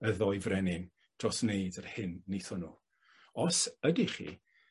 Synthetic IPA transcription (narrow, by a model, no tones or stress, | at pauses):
əðɔjvrɛnɪn | d̥rɔsnejdərhɪnːejθɔnuː | ɔsədiχḭː